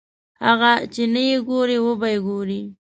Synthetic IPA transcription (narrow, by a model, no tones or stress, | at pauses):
haɣat͡ʃenajeɡoɾewəbajɡoɾi